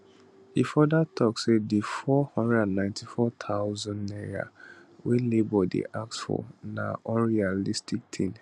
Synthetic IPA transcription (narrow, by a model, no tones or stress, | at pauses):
ifɔdatʰɔksedifɔhɔ̃ndɹɛdãnːãɪ̃ntʰifɔt̪ʰaʊzɔ̃nnea̰welebɔdḭʔaksfɔ̰na̰ʔɔ̃nɹialistʰik̚tʰẽn